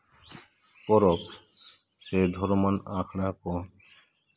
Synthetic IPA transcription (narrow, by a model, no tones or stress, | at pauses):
kɔɾɔp | sed̪ʱɔɾmanakʰɽakɔ